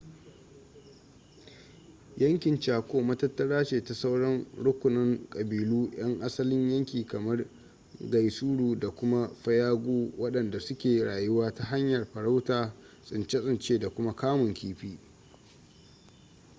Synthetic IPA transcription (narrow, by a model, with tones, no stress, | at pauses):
jɐ˦ŋkʲɪ˨nt͡ʃaː˨kʷoː˦mɐ˦tɐ˦tːɐ˦ɽaː˦t͡ʃeː˨ta˨sa˦wɽɐ˦ŋɽʊ˦kʷʊ˨nɐ˦ŋkʼɐ˨biː˨luː˦j̰ɐ˦ŋʔa˦sɐ˦lɪ˦ɲjɐ˦ŋkʲiː˨kɐ˨mɐ˦r | ɡɐ˨jsuː˦ɽuː˨da˨kʷʊ˦ma˦ɸɐ˦jaː˦ɡʷuː˦wɐ˦ɗɐ˨nda˨sʊ˦kʲeː˨ɽaː˨jʊ˦waː˦ta˦ɦa˦ɲjɐ˨rɸɐ˨ɽa˦wtaː˨ | sʼɪ˨nt͡ʃɛ˦sʼɪ˨nt͡ʃeː˦da˨kʷʊ˦ma˦kaː˦mʊ˨ŋkʲiː˦ɸiː˦